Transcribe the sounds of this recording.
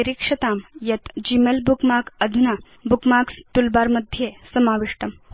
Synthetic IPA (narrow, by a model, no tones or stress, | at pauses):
eɾikʂɐt̪amjɐt̪d͡ʑimelbukmakəd̪ʱuna | bukmakst̪ulbaɾməd̪ʱjesəmaːʋiʂʈɐm